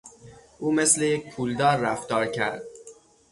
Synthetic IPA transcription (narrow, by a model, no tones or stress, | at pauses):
ʔuːmeslejec̚pʰuːld̪ɒːɾːæft̪ɒːɾcʰæɾd̪̥̚